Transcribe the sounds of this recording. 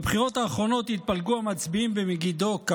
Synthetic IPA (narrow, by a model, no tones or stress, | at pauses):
bχiʁo̞t̪aːχʁo̞no̞t̪hit̪̚palɡuamat͡sbiimbemeɡid̪o̞k